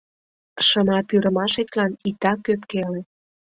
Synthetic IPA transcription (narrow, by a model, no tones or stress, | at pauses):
ʃə̆mɑpyɾəmɑʃet̪lɑnit̪ɑkøpkele